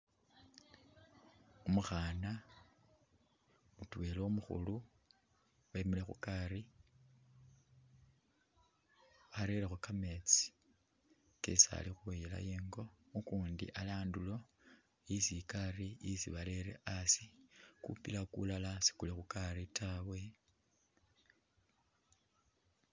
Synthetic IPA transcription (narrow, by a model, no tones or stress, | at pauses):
omuxaːna | mutweloomuxṵlu | βamilexṵkaɾi | βaɾeɾexukame̞t͡si̥ | kḛsa̰lixuwejela̰jiːŋɡo̞ | ukuːndḭʔalaːndulo̞ | isikaɾiisiβaleɾḛʔasikṵpilakṵlalasi̥kulixukaɾitʰawe̞